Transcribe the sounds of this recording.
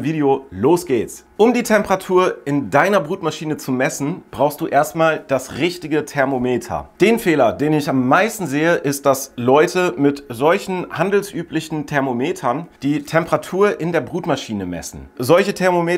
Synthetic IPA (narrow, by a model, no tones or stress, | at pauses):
viːdeoloːsɡ̥eːtt͡sʔʊmdiːtʰɛmpəʁatʰuːɐʔɪndaɪnɐbʁuːtmaʃiːnət͡sumɛsn̩b̥ʁaʊxstd̥uːʔeːɐstmaːld̥asʁɪçtɪɡətʰɛɐmomeːtʰɐ̰d̥eːnfeːlɐdeːnɪçamːaɪstn̩zeːəʔɪst̚d̥aslɔʏtʰəmɪtzɔlçn̩handl̩sʔyːplɪçn̩tʰɛɐmomeːtʰɐnd̥iːtʰɛmpəʁatʰuːɐʔɪndeːɐbʁuːtmaʃiːnəmɛ̰sn̩zɔlçətʰɛɐmomeː